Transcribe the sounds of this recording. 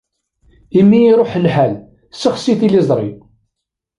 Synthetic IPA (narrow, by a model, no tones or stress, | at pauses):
imːiːɾˤoħəlħæl | sːəχsiθilizˤɾˤḭ